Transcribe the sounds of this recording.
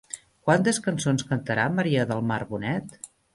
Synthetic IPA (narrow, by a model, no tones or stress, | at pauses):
kwant̪əskənsonskənt̪əɾaməɾiəðəlˠmarβunɛt̪